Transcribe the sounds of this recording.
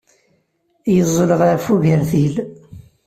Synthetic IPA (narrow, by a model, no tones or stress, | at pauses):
jəzˤːləʁaɾfuʝəɾθil